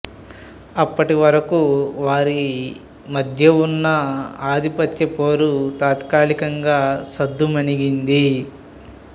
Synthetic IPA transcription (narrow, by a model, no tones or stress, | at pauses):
ɐpːɐʈiʋɐɾɐkuʋaːɾi | mɐd̪ʱjɐunːɐaːd̪ʱipɐt̪jɐpoːɾut̪aːt̪kaːɭikɐŋɡaːsɐd̪ːumɐniɡind̪i